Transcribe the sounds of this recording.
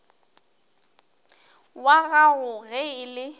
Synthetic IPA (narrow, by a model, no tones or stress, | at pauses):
waɣaɣʊɣɛɪlɪ